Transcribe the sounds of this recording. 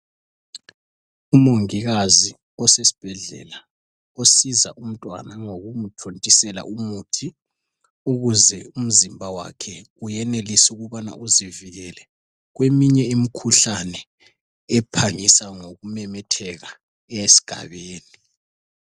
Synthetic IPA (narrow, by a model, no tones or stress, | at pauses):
umoŋiɣazi | ɔsesi̥b̥ʱɛɮɛ̰la | osiza̰ʔum̩tʼwa̰naŋoɣumutʰontʼisɛla̰ʔumutʰi | uɣuzɛum̩zimbʱawa̰kʰɛ | ujɛnelisuɣuβana̰ʔuziviɣɛlɛ | ɣwemiɲɛimikʰuɬanɛː | pʰaŋisaŋoɣumɛmɛtʰɛɣa | ɛesi̥ɡ̥ʱa̰βeːni